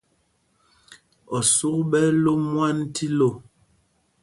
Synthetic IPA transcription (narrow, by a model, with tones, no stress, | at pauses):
ɔ˨su˦kɓɛ˦lo˦mwa˦n˦ti˦lo˦˨